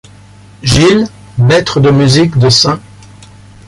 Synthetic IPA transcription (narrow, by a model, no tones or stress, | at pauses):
ʒil | mɛt̪χəd̪əmyzikd̪əsɛ̃